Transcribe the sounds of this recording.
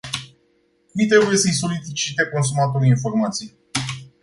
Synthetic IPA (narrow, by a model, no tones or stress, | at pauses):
vit̪ɾebuje̞səjso̞litit͡ʃit̪eko̞ns̬umat̪oɾiinfo̞rmat̪sij